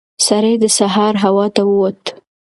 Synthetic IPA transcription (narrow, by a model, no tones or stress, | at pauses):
saɾejd̪əsaɦɑɾɦawɑt̪awəwot̪